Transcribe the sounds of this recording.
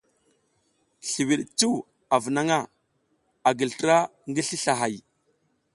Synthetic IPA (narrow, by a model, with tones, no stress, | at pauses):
ɬi˨wi˨ɗt͡su˦w | a˨və˨na˦ŋa˦˨ | a˨ɡə˨ltə˦ɾa˦ŋɡə˦ɬi˦ɬa˨ɦa˨j